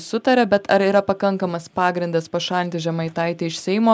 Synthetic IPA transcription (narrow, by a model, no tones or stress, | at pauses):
sʊt̪ɐɾʲɛbʲɛt̪ɐɾiːɾɐpɐkɐŋkɐmɐspɑːɡɾʲɪnd̪ɐspɐʃɑlʲnt̪ʲɪʒʲɛmɐɪt̪ɐɪt̪ʲɪɪʃʲsʲɛɪmoː